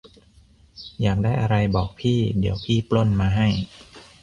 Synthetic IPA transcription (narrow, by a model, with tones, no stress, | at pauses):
jaː˨˩k̚daː˥˩jʔa˧ɾa˧jbɔː˨˩k̚pʰiː˥˩di˩˦əwpʰiː˥˩plo˥˩˨nmaː˧ɦa˥˩j